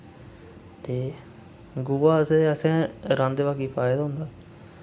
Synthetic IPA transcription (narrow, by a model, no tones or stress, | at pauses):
t̪eː | ɡʊaːəsẽːəsɛ̃ːɾãːnd̪eʋaːkiːpaːeːd̪aːɦʊ̃nd̪aː